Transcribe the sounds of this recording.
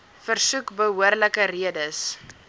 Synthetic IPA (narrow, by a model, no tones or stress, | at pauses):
fərsukbəɦuərləkəriədəs